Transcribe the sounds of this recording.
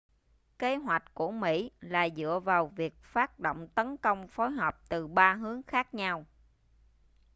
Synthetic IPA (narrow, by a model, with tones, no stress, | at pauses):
ke˨˦ɦwa˨˩jk̚ku˧˩əmḭ˧˥la̰ː˨˩zɨ̰˧˨əvaː˨˩wvi˨˩ək̚faː˦˥t̚ɗo̰˧˨wŋ͡mt̪ə˨˦nkə˧wŋ͡mfo˨˦jɦɔ˨˩p̚t̪ɨ˨˩ɓaː˧ɦɨ˨˦əŋxaː˦˥k̚ɲa˧w